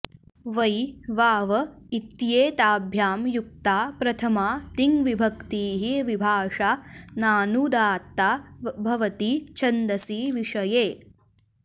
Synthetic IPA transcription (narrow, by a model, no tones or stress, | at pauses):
ʋɐjʋaːʋɐit̪jeːt̪aːbʱjaːmjuk̚t̪aːpɾɐt̪ʰɐmaːt̪iŋʋibʱɐkt̪iːɦiʋibʱaːʂaːnaːnud̪aːt̪ːaːbʱɐʋɐt̪it͡ʃʰɐnd̪ɐsiːʋiʂɐjeː